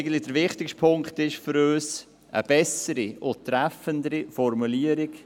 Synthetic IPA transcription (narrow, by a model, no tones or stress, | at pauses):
ɪɡən̩tlɪd̥əɾʋɪχtɪkʃtpʰʊŋktɪʃfʏɾøːs | ə̰b̥ɛsəɾiʊtɾɛfəndəɾifɔɾmuliəɾɪk